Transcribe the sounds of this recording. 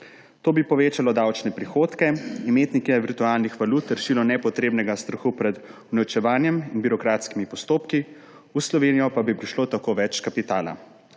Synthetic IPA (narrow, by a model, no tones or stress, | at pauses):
t̪oːbipɔʋeːt͡ʃalɔd̪awt͡ʃnɛpɾixoːt̪kɛimeːt̪nikɛʋiɾt̪uaːlnixʋaluːt̪ɾʃiːlɔnɛpɔt̪ɾeːbnɛɡast̪ɾɐxupɾɛd̪unɛwt͡ʃɛʋaːnjɛminbiɾɔkɾaːt̪skimipɔst̪oːpki | uslɔʋeːnijɔpabipɾiʃloːt̪akoːʋɛt͡ʃkapit̪aːla̰